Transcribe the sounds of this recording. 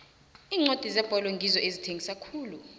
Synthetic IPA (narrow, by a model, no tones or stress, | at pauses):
iːŋ͡ǀod̥ʱizɛb̥ʱɔlɔŋɡʱizɔʔezitʰeŋɡʱisakʰuːlu